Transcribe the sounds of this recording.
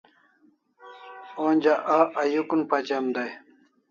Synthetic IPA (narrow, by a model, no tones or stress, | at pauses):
onʲd͡ʑaʔaʔɐjukunpɐt͡ɕemd̪aj